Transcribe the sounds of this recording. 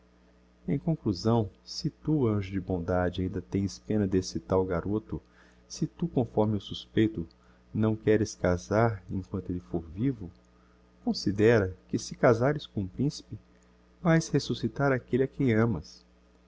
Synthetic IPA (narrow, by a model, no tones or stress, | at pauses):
ẽj̃kõkluzɐ̃w̃sɪt̪uɐ̃ʒʊd͡ʒɪbõd̪ad͡ʒɪaĩnd̪ɐt̪ẽj̃spẽnɐd̪esɪt̪awɡaɾot̪ʊ | sɪt̪ukõfɔɾmɪʊsuspejt̪ʊ | nɐ̃w̃kɛɾɪskazaɾẽkwɐ̃nt̪ʊelɪfoɾvivʊ | kõsid̪ɛɾɐkɪsɪkazaɾɪskõũpɾĩsi̥pɪ | vajshesusit̪aɾakelɪakẽj̃ɐ̃mɐs